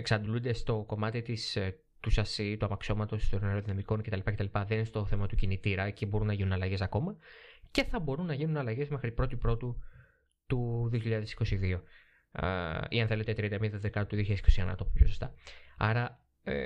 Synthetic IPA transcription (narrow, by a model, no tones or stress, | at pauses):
eksɐnd̪lund̪e̞st̪o̞ko̞mɐt̪it̪is | t̪usɐsit̪uɐmɐkso̞mɐt̪o̞st̪oɾneɾo̞ðinɐmiko̞nce̞t̪ɐlipɐce̞t̪ɐlipɐðenest̪o̞θe̞mɐt̪ucinit̪iɾɐcibo̞ɾunɐʝinunɐlɐʝe̞sɐko̞mɐce̞θɐbo̞ɾunːɐʝinunɐlɐʝe̞zme̞xɾipɾo̞t̪ipɾo̞t̪u | t̪uðio̞çiʎɐðe̞si̥ko̞siðio̞ | iɐnθe̞le̞t̪et̪ɾiɐnd̪ɐmid̪ɐðekɐt̪uðioçiɐsi̥ko̞sienɐ̰t̪opupʰçosost̪ɐ̰ɐɾɐ | ḛ